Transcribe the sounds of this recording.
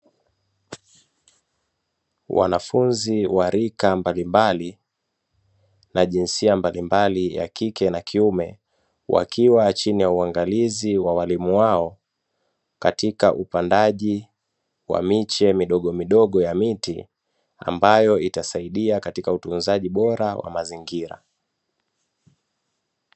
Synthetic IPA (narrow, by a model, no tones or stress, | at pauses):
wʔa̰nafunziwaɾikambalimbali | naʄinsiambalimbalija̰kikɛnakʰiumɛ | wʔa̰kʰiwat͡ʃinijauaŋɡaliziwawalimuwaɔ | katikaʔupandaʄi | wa̰mit͡ʃɛmiɗɔɠɔmiɗɔɠɔjamitḭ | a̰mbajɔitasaiɗiakatikautunzaʄiɓɔɾawʔa̰maziŋɡiɾa̰